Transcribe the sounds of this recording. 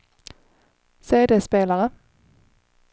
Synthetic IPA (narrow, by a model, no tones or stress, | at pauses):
seːd̪eːspeːləʁə